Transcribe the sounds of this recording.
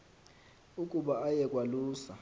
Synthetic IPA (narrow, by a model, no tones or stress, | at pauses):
ukʼuɓaajɛkʼwaluːsa̰